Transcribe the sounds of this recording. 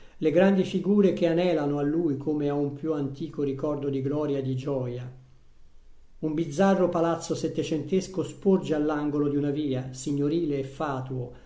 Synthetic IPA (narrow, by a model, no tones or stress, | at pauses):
leɡɾand̪ifiɡuːɾekeanɛːlanoalːujkʰomeaumpjuant̪iːkoɾikɔrd̪od̪iɡlɔːɾjad̪id͡ʒɔːja | umbid̪zːarːopalat̪sːosɛt̪ːet͡ʃent̪eskospord͡ʒealːaŋɡolod̪iunaviːasiɲːoɾiːleːfːaːt̪uo